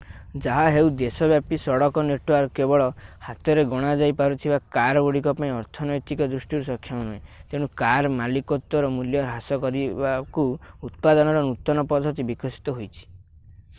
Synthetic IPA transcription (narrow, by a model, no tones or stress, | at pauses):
d͡ʒaɦaɦewd̪esɔbjapisɔɽɔkɔneʈuaɾɔkebɔɭɔhat̪ɔɾeɡɔɽ̃ad͡ʒajpaɾut̪ʰibakaɾɔoɽikɔpaĩɔɾt̪ʰɔnɔjt̪ikɔd̪ɾusʈiɾusɔkʰːjaunuẽt̪eɽ̃ukaɾmalikɔt̪wɔɾɔmuljɔɾɦasɔkɔɾibakuut̪̚pad̪ɔnɔɾɔnut̪ɔnɔpɔd̪ʱɔt̪̬ibikɔsi̥t̪ɔɦojt͡ʃʰi̥